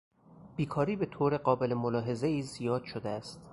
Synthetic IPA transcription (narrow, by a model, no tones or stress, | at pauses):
b̥iːkʰɒːɾiːbe̞t̪ʰoːɾe̞ɢɒːbe̞lemolɒːɦe̞zeiːzijɒːd̪̥ʃod̪eæst̪